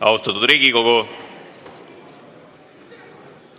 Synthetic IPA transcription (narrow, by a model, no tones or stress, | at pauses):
ɑ̰wst̪ɑt̪ːut̪ɾiːɡikoɡo